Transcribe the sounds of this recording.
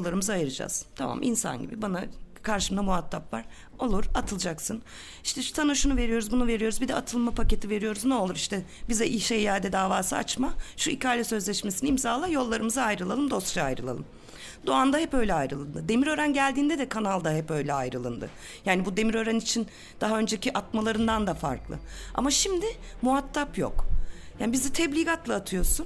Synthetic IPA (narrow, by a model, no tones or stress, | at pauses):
lˠːaɾɯmɯzaajɯɾɯd͡ʒa̰z̥t̪ʰama̰mʔḭnsa̰nɟḭbibanakʰaɾʃɯmd̪amuat̪ʰːapvaɾ̥ | o̞lˠuɾat̪ʰɯlˠɯd͡ʒaksɯn | iʃt̪ʰɛsanuʃunuve̞ɾijo̞ɾuzbunuve̞ɾijo̞ɾuzbid̪ɛat̪ʰɯlˠmapʰace̞t̪ʰive̞ɾijo̞ɾuznɛo̞lˠuɾiʃt̪ɛbizɛʔiʃejjaːd̪ɛd̪aːvaːsɯa̰t͡ʃmaʃuicaːlʲɛsø̞zlʲɛʃmesiniimzaːlˠajo̞lˠːaɾɯmɯzaajɾɯlˠalˠɯmd̪o̞st̪t͡ʃaajɾɯlˠa̰lˠɯm | d̪oand̪aɦɛpø̞jlʲɛajɾɯlˠɯnd̪ɯd̪e̞miɾøɾænɟælʲd̪iːnd̪ɛd̪ɛkʰanalˠd̪aɦɛpø̞jlʲɛa̰jɾɯlˠɯ̰nd̪ɯ̰ | jaːnibud̪e̞miɾø̞ɾænit͡ʃʰin | d̪̥aɦaø̞nd͡ʒeciʔat̪malˠaɾɯnd̪and̪afa̰ɾklˠɯ̰ʔa̰maʃimd̪ɪmuɦat̪ʰːapjo̞̰kjaːnibizɛt̪ʰɛblʲiɡat̪lˠaːt̪ʰɯjo̞sun